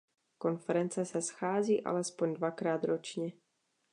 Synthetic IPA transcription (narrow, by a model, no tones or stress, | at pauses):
ko̞nfɛɾɛnt͡sɛsɛsxaːziːʔa̰lɛspoɲdvakɾaːt̪ɾot͡ʃɲɛ